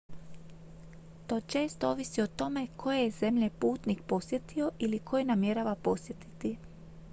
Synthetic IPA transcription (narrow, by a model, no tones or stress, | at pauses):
t̪o̞ːt͡ʃe̞ːst̪oo̞ʋisio̞t̪o̞me̞kʰo̞jejeze̞mʎepuːt̪nikpo̞sje̞t̪io̞ʔilikʰo̞jenamje̞ɾaʋapo̞sje̞t̪i̥t̪i